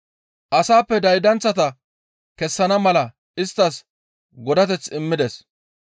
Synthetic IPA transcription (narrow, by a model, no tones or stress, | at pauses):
ʔɐsaːpːɛd̪ɐjd̪ɐnt͡sːɐt̪ɐ | kɛsːɐnɐmɐlɐ | ɪst̪ːɐs | ɡɔd̪ɐt̪ɛt͡sɪmːɪd̪ɛs